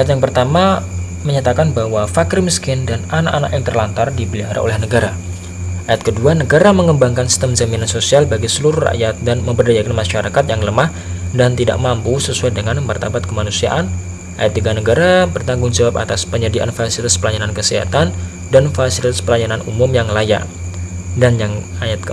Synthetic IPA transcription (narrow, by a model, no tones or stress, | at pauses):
ajat̪̬jaŋpərt̪ama | məɲat̪akanbahwafakɪɾməskɪndananakana̰kjaŋt̪ərlant̪ardibəliaɾa̰ʔo̰lɛhnəɡaɾa | ʔajat̪̚kəduanəɡaɾaməŋəmbaŋkansi̥st̪əmzaminansosialbaɡisəluɾʊra̰ʔjat̪̚danməmpərdajakanmaʃaɾakat̪jaŋləmah | dant̪ida̰ʔmampusəsuajdəŋanmart̪abat̪̚kəmanusia̰ʔan | ʔa̰jat̪̚dəɡanəɡaɾabərt̪aŋɡʊŋd͡ʒawap̚a̰t̪aspəɲədiʔa̰nfasit̪aspəlajanankəsəɦa̰t̪an | danfasilt̪aspəlajananumumjaŋlaja̰ | danjaŋajat̪̚kə